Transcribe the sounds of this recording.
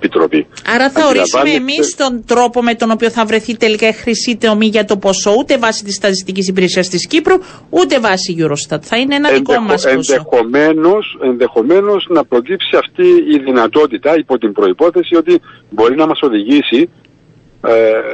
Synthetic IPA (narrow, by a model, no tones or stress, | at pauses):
epit̪ɾo̰piɐɾɐθɐoɾiɐsuɐmeemist̪o̞nd̪ɾo̞po̞me̞t̪ono̞pio̞θɐvɾe̞θit̪e̞likɐixɾisit̪o̞miʝɐt̪o̞po̞so̞ut̪e̞vɐsit̪ist̪ɐt̪ist̪icis̬ipiɾe̞siɐst̪iscipɾu | ut̪e̞vɐsiʝuɾo̞st̪ɐt̪θɐineenɐkomɐsenseomeno̞se̞nðe̞xo̞me̞no̞znɐpɾo̞cipsiɐft̪iːðinɐt̪o̞t̪it̪ɐipo̞t̪imbɾo̞ipo̞θe̞sio̞t̪i | bo̞ɾinɐmɐso̞ðiʝisi